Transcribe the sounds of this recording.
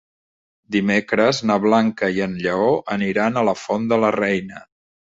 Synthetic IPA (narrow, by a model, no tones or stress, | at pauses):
d̪imekɾəznəβlaŋkəiənʎəoʔəniɾanələfond̪ələrɛjnə